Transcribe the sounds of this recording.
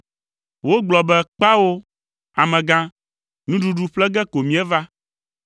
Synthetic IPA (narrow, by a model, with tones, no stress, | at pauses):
wo˦ɡ͡blɔ˨bɛ˦k͡pa˦wo˦ | a˨mɛ̃˨ɡã˦ | nũ˦ɖu˨ɖu˨ɸlɛ˦ɡɛ˦ko˨mĩ˦ɛ˦va˦